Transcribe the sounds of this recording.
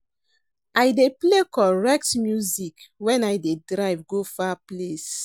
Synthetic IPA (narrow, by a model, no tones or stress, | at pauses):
ajdeplekɔɹɛk̚tmjuzikwɛ̃najdedɹaɪvɡofaples